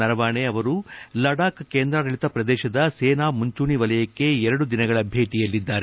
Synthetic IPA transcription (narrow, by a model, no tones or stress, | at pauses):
ɐɾɐʋaːɳeɐʋɐɾulɐɽaːkkeːnd̪ɾɐɾɐɭit̪ɐpɾɐd̪ɛːʃɐd̪ɐseːnaːmuɲt͡ʃuːɳiʋɐlɐjɐkːe̞ɛɾɐɽud̪inɐɡɐɭɐbʱe̞ːʈijɐlːid̪ːaːɾe